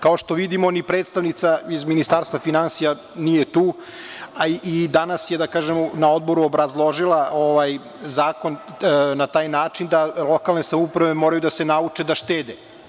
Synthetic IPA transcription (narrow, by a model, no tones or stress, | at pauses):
kao̞ʃt̪o̞ʋid̪imonipɾet̪st̪aʋnit̪saizminist̪aːɾst̪vʋafinansija | nijet̪uː | aid̪anasjed̪akaːʒemnaod̪̚bo̞ɾuobɾazlˠo̞ʒilˠaoʋaj | zaːko̞n | nat̪aːjnaːt͡ʃind̪alˠo̞kalne̞samupɾaʋe̞moɾajud̪ase̞naut͡ʂed̪aʃt̪eːd̪e